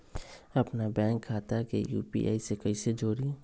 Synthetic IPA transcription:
ɐpnabɛ̃ːŋkʰːaːt̪akejṵːpḭʔa̰ːisekəised͡ʒoːɾi

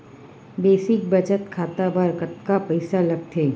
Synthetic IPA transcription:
beːsɪk̚bɐd͡ʒət̪kʰaːt̪abʱaɾkət̪kapɐɪsalɐɡ̚t̪ʰeː

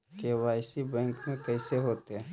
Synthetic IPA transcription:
kewaːjsibɛ̃ːŋkmẽkɛːseɦoːt̪eɦɛː

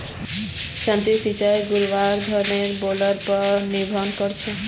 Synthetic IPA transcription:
ʃãnt̪isit͡ʃajɡuɾʋaɾd̪ʱɔɾneɾboləɾpɔɾnibʱɔnkɔɾt͡ʃʰe

